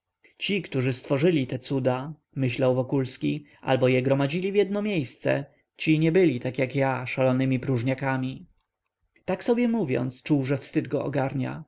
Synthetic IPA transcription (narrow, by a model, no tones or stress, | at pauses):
t͡ɕikt̪uʐɘst̪fɔʐɘlʲit̪ɛt̪sud̪a | mɘɕlawvɔkulskʲiʔa̰lbɔjɛɡɾɔmad͡ʑilʲivʲjɛd̪nɔmʲjejst̪sɛ̰ | t͡ɕiɲɛbɘlʲit̪akjakjaʂalɔnɘmʲipɾuʐɲakamʲi | t̪aksɔbʲjɛmuvʲjɔ̰nt̪st͡ʂuwʐɛfst̪ɘd̪ɡɔʔɔ̰ɡaɾɲa̰